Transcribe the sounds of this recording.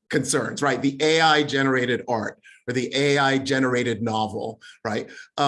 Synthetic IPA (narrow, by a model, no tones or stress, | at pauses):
kʰɨ̃nsɜ̃˞nz̥ɹaɪt̪̚ðiʔeɪaɪd͡ʒɛnə˞eɪɾɨɾɑɹt̚ə˞ðiʔeɪaɪd͡ʒɛnə˞eɪɾɨdⁿnɑvl̩ˠɹaɪt̚ʔʌ